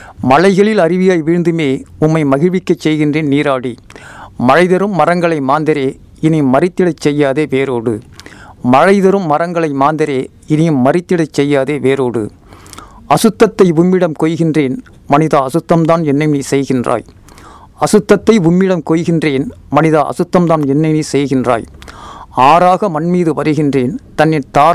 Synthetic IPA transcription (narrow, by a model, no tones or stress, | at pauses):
mɐlɐɪɣɐɭɪlɐrɪʋɪjaːjʋiːɻnd̪ɯmeːʊmːɐɪmɐɣɪɻʋɪkːɐt͡ʃːɛjɣɪndreːnniːɾaːɽimɐɻɐɪðɐɾɯmːɐrɐŋɡɐɭɐɪmaːnd̪ɪɾeː | ɪnɪjɯmːɐrɪt̪ːɪɽɐɪt͡ʃːɛjːaːðeːʋeːɾoːɽɯ̰mɐɻɐɪðɐɾɯmːɐrɐŋɡɐɭɐɪmaːnd̪ɪɾeː | ɪnɪjɯmːɐrɪt̪ːɪɽɐɪt͡ʃːɛjːaːðeːʋeːɾoːɽɯ̰ | ɐsɯt̪ːɐt̪ːɐɪʊmːɪɽɐmkɔːjɣɪndreːn | mɐnɪðaɐ̰sɯt̪ːɐmt̪aːnɛnːɐɪmnisɛjɣɪndra̰ːj | ɐsɯt̪ːɐt̪ːɐɪʊmːɪɽɐmkɔːjɣɪndreːnmɐnɪðɐʔɐ̰sɯt̪ːɐmt̪aːnɛnːɐɪniːsɛjɣɪndra̰ːj | aːɾaːɣɐmɐnmiːðɯʋɐɾɯɣɪndreːnt̪ɐnːɪnt̪aːɾ